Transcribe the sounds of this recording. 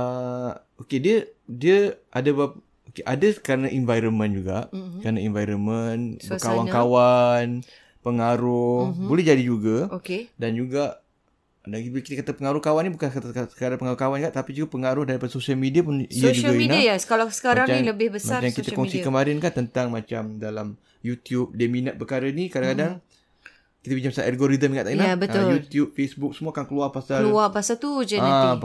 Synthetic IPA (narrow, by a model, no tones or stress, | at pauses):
ə | okediədiəʔadabap | okeʔadəkəɾənaʔinvajɾonmə̃nd͡ʒuɡaʔkəɾənainvajɾomənbəkawankawan | pəŋaɾʊhbolɛhd͡ʒadid͡ʒuɡaokedand͡ʒuɡaʔ | daikit̪əkat̪apəŋaɾʊhkawanibukant̪kadapəŋaɾʊkawanɡaʔt̪apid͡ʒuɡapəŋaɾʊhdaɾipadsosialmediapʊniaʃd͡ʒuaɡainaajasəkalasə̥kamɾaŋailəbɪhbəsaaɾt͡ʃamkit̪akɔŋsikəmaɾɪnkaʔt̪ənt̪aŋmãt͡ʃamdalam | jut̪jup̚daminat̪̚pərkaɾənikadaŋkadaŋ | kit̪apiɲt͡ʃamasaʔarɡoɾidəmiŋaʔt̪aijlabəjut̪jup̚fesbʊk̚səmuakankəluarpasaluapasalt̪ud͡ʒəaa